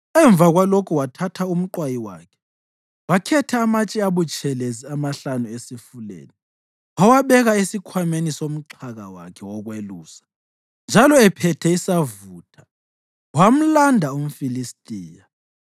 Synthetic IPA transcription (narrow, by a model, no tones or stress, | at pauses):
ɛɱb̪vʱaɣwalokʰuwatʰatʰaum̩ǃwajiwa̰kʰɛ̥ | wakʰɛtʰɛːmat͡ʃʼiaβut͡ʃʰʼɛleziamaɬanuesifulḛːni | wawaɓɛɣaisikʰwamenisom̩ǁʰaɣa̰wa̰kʰɛwɔɣweluːsḁ | nd͡ʒʱalɔɛpʰɛtʰɛisavuːtʰḁ | wam̩landʱaum̩filistʼiːja